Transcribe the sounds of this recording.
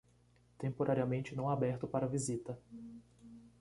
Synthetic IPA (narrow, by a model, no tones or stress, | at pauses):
t̪ẽmpoɾʔaɾiɐmẽnt͡ʃɪnɐ̃w̃abɛɾt̪ʊpaɾɐvizit̪ɐ